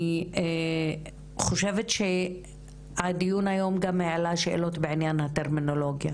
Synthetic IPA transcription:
e | χo̞ʃevetʃe̞ | adijunajo̞mɡameʕalaʃeʔḛlo̞tbeʕinjanhateʁmino̞lo̞ɡja

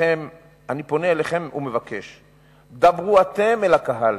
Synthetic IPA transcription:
em | anipo̞neːleχe̞mṵme̞vake̞ʃ | d̪abʁuat̪e̞melakaɦal

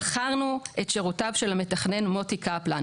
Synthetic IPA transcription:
χaʁnuetʃeʁutavʃelametaχne̞nmo̞tikapla

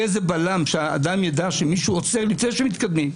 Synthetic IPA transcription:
ezebalamʃeaa̰d̪amjad̪aʃemiʃuot͡seʁlifnejʃemit̪kad̪mim

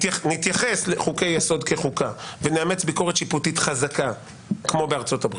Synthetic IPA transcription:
nit̪jaχe̞sleχuke̞jːeso̞d̪kʰe̞χukaveneamet͡sbiko̞ʁet̪ʃiputit̪χazaka | kmo̞beaʁt͡so̞tabʁi

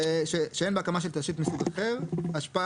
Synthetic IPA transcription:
ʃeʃeenbeakamaʃ̬elt̪aʃit̪misiɡaχevaʃpa

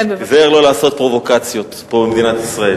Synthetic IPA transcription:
zeeʁlo̞laːso̞t̪̚pʁo̞vo̞kat͡sjo̞t̪pobemed̪inat̪isʁae̞l

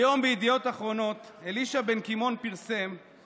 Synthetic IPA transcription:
jo̞mbejid̪ijo̞t̪aχʁo̞no̞t̪e̞liʃabe̞nkimo̞npiʁse̞m

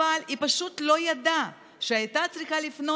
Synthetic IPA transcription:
alipɐʃut̪lo̞jad̪a | ʃeajt̪at̪t͡s̪ɾiχalifno

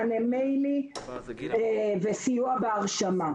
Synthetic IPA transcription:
nemejli | vesijuabeaʁʃama

